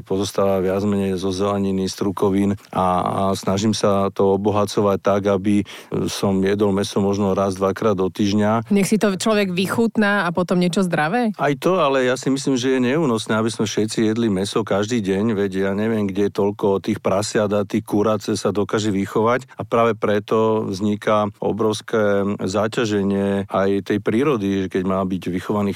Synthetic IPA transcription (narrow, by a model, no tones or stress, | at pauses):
pɔzɔst̪aːʋaʋɪad͡zmɛɲɛjzɔzɛlɛɲinist̪ɾukɔʋina̰snaʒimsat̪ɔɔbɔɦat͡sɔʋac̚t̪aɡabi | sɔmjɛd̪ɔlmɛsɔmɔʒnɔɾazd̪ʋakɾaːd̪ɔt̪iːʒɲaɲɛxsit̪ɔt͡ʃlɔʋɛɡʋixuːt̪naːapɔt̪ɔmɲɛt͡ʃɔzd̪ɾaʋɛːʔajt̪ɔalɛjasimis̬liːmʒɛjɛɲɛuːnɔsnɛːabismɛfʃɛt̪t͡sijɛd̪limɛsɔkaʒd̪iːɟɛɲʋɛɟjaːɲɛʋɪɛmɡɟɛɛt̪ɔʎkɔt̪iːxpɾasɪad̪at̪iːxkuɾat͡ssad̪ɔkaːʒɛʋixɔʋacapɾaːʋɛpɾɛt̪ɔvzɲikaɔ̰bɾɔʊskɛːzacaʒɛɲɪɛajt̪ɛjpɾiːɾɔd̪iʒɛkɛɟmaːbiɟʋixɔʋaniːx